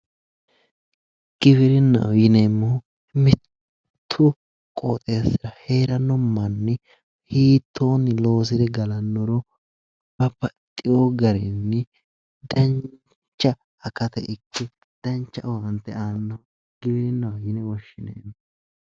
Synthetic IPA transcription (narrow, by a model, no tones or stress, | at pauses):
ɡ̥ɪβɪɾɪnːɐ̰wjɪnemːɔ | mɪt̪ʰː | ʊ | kʼoːt̪ʼeːsɪɾɐhe̞ːɾɐnːɔmːɐnːɪ | hiːt̪ʰːoːnːɪlo̞ːs̬ɪd̪ɛɡɐlɐnːɔɾɔ | b̥ɐpːɐt̪ʼːɪjoɡɐɾɛnːɪ | d̪ɐn | t͡ʃːɐː | kɐt̪ɛɪkʰːɪ | d̪̥ɐnt͡ʃːɐʔwɐnt̪ːɛ̰aːnːɐw | ɡɪbɪɾɪnːɐwɐjɪnɛwɔʃːɪnḛːmːɔ